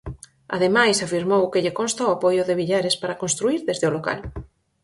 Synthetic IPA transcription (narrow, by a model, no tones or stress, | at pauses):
a̰ðemajsafiɾmowkeʎekonst̪aoapojʊðeβ̞iʎaɾespaɾakonst̪ɾuiɾðezðeoloka̰l